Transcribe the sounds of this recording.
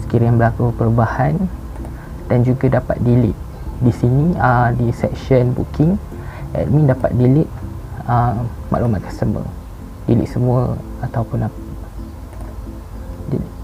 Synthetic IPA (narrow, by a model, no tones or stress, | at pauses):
sə̥kiɾianbəlakupəɾubahan | d̥and͡ʒuɡadapa̰t̪̚dilɪ̰ʔ̪̚ | disiniədisɛ̰kʃənbṵkʰɪŋ | ɛ̰tmĩndapa̰t̪̚dilɪʔ̚ | əma̰ʔlumat̪̚kəsəmə̰ | dilḭʔ̪̚səmũəat̪awpʊna | dḭl